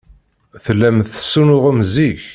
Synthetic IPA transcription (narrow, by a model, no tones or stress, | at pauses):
θəlːæmθə̥sːunʊʁəmziç